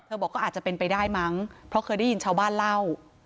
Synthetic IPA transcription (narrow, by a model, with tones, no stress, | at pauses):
t̪ʰɤ˧bɔː˨˩kːɔː˥˩ʔ̪̚ːt͡ɕa˨˩pe˧npa˧jdaː˥˩jma˦˥ŋpʰɾɔ˦˥kʰɤː˧jda˥˩ji˧nt͡ɕʰaː˥˩wbaː˥˩nla˥˩w